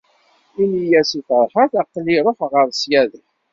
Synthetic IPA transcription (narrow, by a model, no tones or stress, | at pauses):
inijæsiθəɾˤħəθæqːliɾˤofʁəɾˤsjæðəç